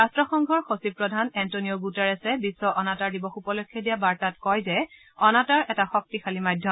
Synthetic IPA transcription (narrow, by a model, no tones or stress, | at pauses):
astɹɔxɔŋɡʱɔɹxosipɹɔdʱanɛntonioɡutɛɹɛsɛbisːɔʔɔnataɹdibɔxupɔlɔkʰːjɔdijabaɹtatkɔjzɛ | ɔnataɹʔɛtaxɔk̚tixʰalimajdʱjɔ